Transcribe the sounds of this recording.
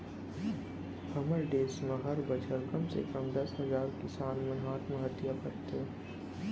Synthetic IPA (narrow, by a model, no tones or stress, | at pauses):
hɐməɾɖeːsməɦɐɾbəd͡ʒəɾkɐmsḛkəmd̪ɐsɦɐzaːɾkɪsaːnmənɦaːt̪məɦət̪jakɐɾt̪e